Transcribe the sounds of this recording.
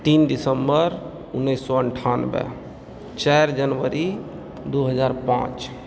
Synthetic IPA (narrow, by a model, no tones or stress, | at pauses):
t̪iːnɖisəmbəɾ | unːəsːɔəɳʈʰanbḛ | t͡ʃajɾd͡ʒənʋəɾi | d̪uɦəd͡ʒaɾpã̰t͡ʃ